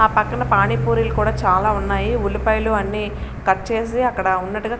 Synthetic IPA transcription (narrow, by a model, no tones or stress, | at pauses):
aːpɐkːɐnɐpaːɳipuːɾilukuːɽaːt͡ʃaːlaːunːaːjiulipɐjluɐnːiːkɐʈːt͡ʃe̞ːs̬iɐkːɐɽɐunːɐʈːuɡaː